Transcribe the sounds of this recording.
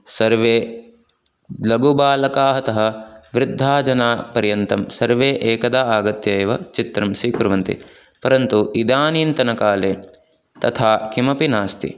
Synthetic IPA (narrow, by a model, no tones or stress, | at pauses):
sɐɾʋeː | lɐɡubaːlɐkaːɦɐt̪ɐɦɐ̆ʋɾɪd̪ʱːaːd͡ʒɐnaːpɐɾjɐnt̪ɐmsɐɾʋeːʔeːkɐd̪aːaːɡɐt̪jɐːʋɐt͡ʃit̪ɾɐmʃɾiːkɾuʋɐnt̪ḭ | pɐɾɐnt̪uʔid̪aːniːnt̪ɐnɐkaːleː | t̪ɐt̪ʰaːkimɐpinaːst̪ḭ